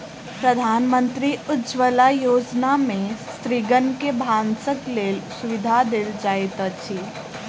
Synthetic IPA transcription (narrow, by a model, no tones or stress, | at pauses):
pɾəd̪ʱaːnmə̃nt̪ɾiʊd͡ʒʋəlajoːd͡ʒnamẽst̪ɾiɡənkebʱãːnsəkleːlsʊʋɪd̪ʱad̪eld͡ʒaːjt̪ət͡ʃʰi